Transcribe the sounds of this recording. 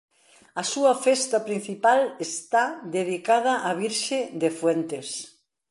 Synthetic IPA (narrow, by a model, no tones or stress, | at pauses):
ɐsuɐfɛst̪ɐpɾin̟θipalest̪ad̪eðikað̞ɐʔaβiɾʃed̪efwent̪es